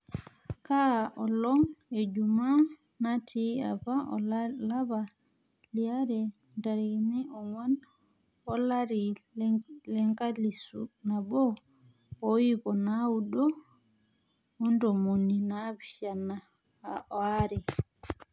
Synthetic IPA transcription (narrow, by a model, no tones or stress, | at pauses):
kaʔɔlɔŋɛd͡ʒuma | natʰia̰baʔɔ̰llaba | liaɾɛ | ndaɾiniʔɔŋɔn | ɔlaɾi | lɛŋkalisṵnabɔ | ojikɔnawuɗɔ | undɔmoninabiʃana | aʔɔaɾɛ